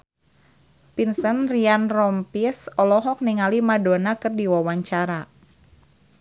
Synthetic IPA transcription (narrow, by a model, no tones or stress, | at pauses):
pinsənrianrɔmpisɔlɔɦɔk̚niŋalimadonakərdiwawaɲt͡ʃaɾa